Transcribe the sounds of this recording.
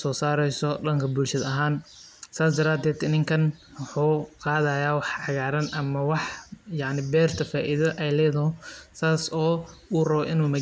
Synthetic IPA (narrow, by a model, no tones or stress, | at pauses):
sɔːsaːɾɛjsɔɖɐŋkʰɐbʊlʃɐðɐɦaːnsaːsd̪ɐɾaːd̪ɛːd̪ɪnɪŋkʰɐn | wħuːqɑːðajaːwɑħɑɣaːɾɐnʔɐmɐwɑħjɑʕnɪbɛːrt̪ʰɐfaːʔiðɐʔɛjlɛːðɔsaːsɔːuːrɐβɔʔɪnuːmɐ